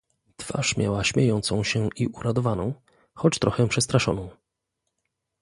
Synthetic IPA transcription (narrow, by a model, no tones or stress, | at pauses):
t̪fa̰ʂmʲjawaɕmʲejɔnt̪sɔ̃w̃ɕɛiʔuɾat̪ɔvanɔ̃w̃ | xɔt͡ɕt̪ɾɔxɛpʂɛst̪ɾaʂɔnɔ̃w̃